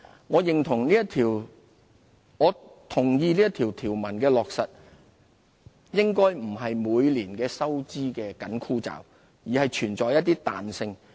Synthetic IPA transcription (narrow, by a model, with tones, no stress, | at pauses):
ŋɔː˨˧jɪ˨ŋt̪ʰʊ˨˩ŋliː˥jɐ˥tt̪ʰiː˨˩w | ŋɔː˨˧t̪ʰʊ˨˩ŋjiː˧liː˥jɐ˥t̪ʰiː˨˩wt̪ʰiː˨˩wmɐ˨˩nkɛː˧lɔː˨k̚sɐ˨t̚ | jɪ˥ŋkɔː˥jm̩˨˩ɦɐ˨jmuː˨˧jliː˨˩nkɛː˧sɐ˥wt͡siː˥kɛː˧kɐ˨˥nkʰuː˥t͡sa̰ː˨w | jiː˨˩hɐ˨jt͡ʃʰyː˨˩nt͡sɔː˨˧jɐ˥t̚t̪iː˥t̪a̰ː˨nsɪ˧ŋ